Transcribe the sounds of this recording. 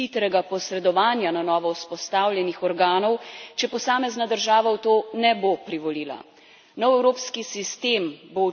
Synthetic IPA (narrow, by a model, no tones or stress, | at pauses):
it̪ɾɛɡapɔsɾɛd̪ɔʋaːnjananɔːʋɔwspɔst̪aːwljɛnixɔɾɡaːnɔwt͡ʃɛpɔsaːmɛznad̪əɾʒaːʋawt̪oːnɛbopɾiʋɔliːla̰ | nɔwɛwɾoːpskisist̪eːmbo